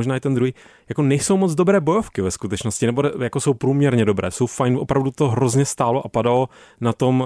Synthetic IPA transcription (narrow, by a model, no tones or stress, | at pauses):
oʒnaːɪt̪ɛnd̪ɾuɦiː | jakonɛjso̞wmod͡zdobɾɛːbo̞jofkɪvɛskut̪ɛt͡ʃnoscɪnɛboɛjakosowpɾuːmɲɛɾɲɛdo̞bɾɛ̰ːso̞wfajnʔopɾavdut̪oɦɾozɲɛst̪aːloʔapadalonat̪o̞m